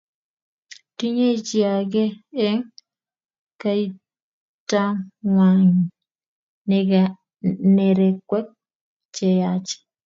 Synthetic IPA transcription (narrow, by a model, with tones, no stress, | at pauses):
ti˦ɲe˦t͡ʃia˨ɡɛ˦ɛ˦ŋ | kai˦ | ta˦ŋwa˨ŋ | nɛɡ | neɾɛkːwɛ˦k̚ | t͡ʃɛ˨jat͡ʃe̥˨